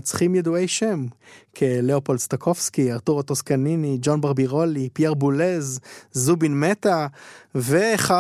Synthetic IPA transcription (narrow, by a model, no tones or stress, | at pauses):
t͡sχimjeduejʃemkʰeleopo̞lst̪akʰo̞fskiaʁt̪uʁat̪oskaninid͡ʒonbaʁbiʁolipieʁbulezzubinmet̪aveːχa